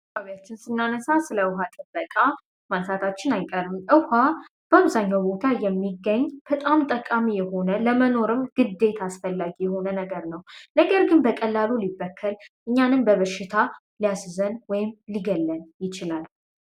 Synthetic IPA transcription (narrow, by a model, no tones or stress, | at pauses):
aβjat͡ʃːɪnsɨnːanəsasɨləwɦat̪ʼɨbːəkʼa | mansat̪ʰat͡ʃːɪnajkʼəɾɨmʔɨha | b̥əaβzaɲːawbo̞t̪ʰajɛmːiɡːəɲːb̥ət̪ʼamt̪ʼəkʼamijɛho̞nələməno̞ɾɨmɡ̥ɨd̪e̞t̪ʰasfəlːaɡijɛho̞nənəɡəɾnəwnəɡəɾɡɨnbəkʼəlːalulibːəkʰːəlʔɨɲːanɨmbəβəʃːɪt̪ʰa | lijaszənwɔjɪmliɡəlːənjɪt͡ʃɪlal